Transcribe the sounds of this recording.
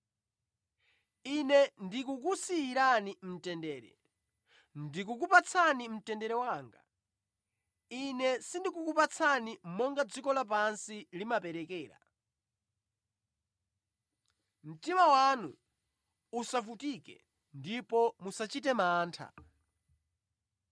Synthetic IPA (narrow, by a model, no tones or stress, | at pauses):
inɛndikuk̬usiːɾanim̩tɛndɛːɾɛ̰ | ndikuk̬upat͡sʰanim̩tɛndɛɾɛwaːŋɡa̰ | inɛsindikukupat͡sʰanim̩mɔŋɡad͡zikɔlap̬ansilimapɛɾɛkɛːɾa̰ | m̩timawanu | usafutikɛ̰ | ndipɔmusat͡ʃit̬ɛmaːntʰa̰